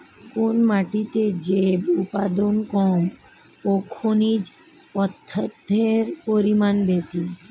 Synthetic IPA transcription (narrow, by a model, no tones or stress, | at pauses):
konmaʈit̪ed͡ʑebupad̪onkɔm | okʰonid͡ʑ | ɔt̪ʰːət̪ːeɾpoɾimanbesi